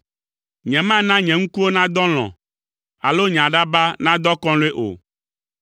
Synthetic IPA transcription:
ɲɛ̃˨mã˦nã˦ɲɛ̃˨ŋũ˦ku˦wo˦nã˦d̪ɔ˦l̃ɔ̰̃˨ | a̰˨lo˦ɲ˨ã˨ɖa˦ba˦nã˦d̪ɔ˦kɔ̃˦le˦ʔo̰˨

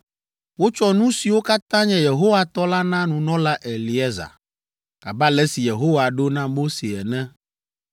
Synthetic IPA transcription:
wo˦t͡ʃɔ˦nũ˦si˨wo˦ka˦t̪ã˦ɲɛ̃˦je˨ɦo˦wa˨t̪ɔ˦la˦nã˦nũ˨nɔ̃˦la˦ʔɛ˨li˨ɛ˦za̰˨ | ka˨ba˦lɛ˦si˨je˨ɦo˦wa˨ɖo˦nã˦mo˦se˨ɛ˨nɛ̃˦

